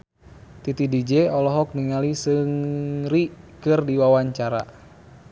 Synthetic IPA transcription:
t̪it̪idid͡ʒɛɔlɔɦɔk̚niŋalisɨŋrikɨrdiwawaɲt͡ʃaɾa̰

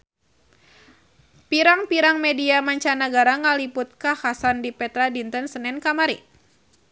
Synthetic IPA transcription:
piɾaŋpiɾaŋmediamaɲt͡ʃanaɡaɾaŋaliput̪̚kahasandipɛt̪ɾadint̪ənsənɛnkamaɾḭ

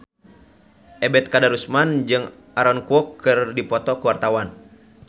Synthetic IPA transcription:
ʔɛbɛt̪̚kadaɾusmand͡ʒɨŋ | aɾɔnkuɔkʰːɨrdipɔt̪ɔkuwart̪awan

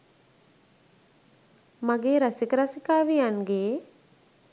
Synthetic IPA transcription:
maɡeːɾasikəɾasikaːʋijanɡeː

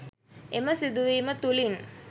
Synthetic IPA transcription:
eməsid̪uʋiːmət̪ulin

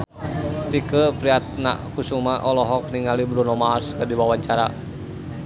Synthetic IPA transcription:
t̪ikəpɾiat̪̚na̰ʔkusumaʔɔlɔɦɔk̚niŋalibɾunɔmaskadiwawaɲt͡ʃaɾa̰

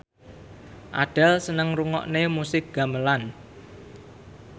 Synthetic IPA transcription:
ʔaɖ̥a̤lsənəŋruŋɔ̰ʔnemusɪk̚ɡ̥a̤məlan

